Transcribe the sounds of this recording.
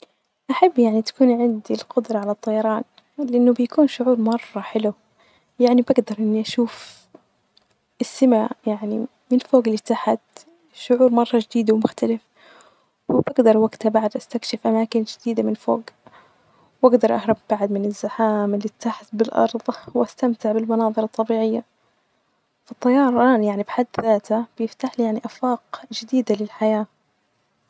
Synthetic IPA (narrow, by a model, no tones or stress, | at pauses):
ʔaħabːjaʕnit̪ḁkuːnʕɪnd̪ilqʊd̪ɾˤɑʕalat̪ˤːɑjɑɾˤɑːn | lɪʔɪnːʊbjakuːnʃʊʕuːɾmɑrˤːɑħɪlu | jaʕnibaɡd̪ɑɾˤʔɪnːiʔaʃuːf | ʔɪsːɪmajaʕni | mɪnfoːɡɪlːit̪ːaħat̪ | ʃʊʕuːɾmɑrˤːɑʒɪd̪iːd̪awmʊxt̪alɪf | wɪbaɡd̪ɑɾˤwaɡt̪abaʕd̪ʔast̪akʃɪfʔamaːkɪnd͡ʒɪd̪iːd̪amɪnfoːɡ | wʔaɡd̪ɑɾˤʔɑhɾˤɑb̚baʕad̪mɪnɪzːaħaːmɪlːit̪ːaħat̪̚bɪlʔɑ̰ɾˤðˤwʔast̪amt̪ɪʕbɪlmɑnɑːðˤɨɾɑt̪ˤːɑbiːʕɪjːa | fɑt̪ˤːɑjɑːɾˤɑːnjaʕnibħad̪ːðaːt̪ab̥jɪft̪aːħlijaʕniʔafɑːqd͡ʒɪd̪iːd̪alɪlħajaː